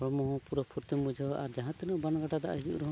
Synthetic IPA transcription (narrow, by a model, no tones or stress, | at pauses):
ɔɭmɔɦɔ̃puɾɔpʰuɾt̪imːud͡ʒʱaʔaɾd͡ʒaɦãt̪ɛnɔʔbanɡaʈad̪a̰ʔɦid͡ʒṵʔɾɔɦɔ̃